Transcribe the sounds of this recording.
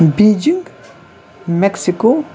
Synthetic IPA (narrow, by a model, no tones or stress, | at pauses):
biːd͡ʒiŋɡ | mɛksiko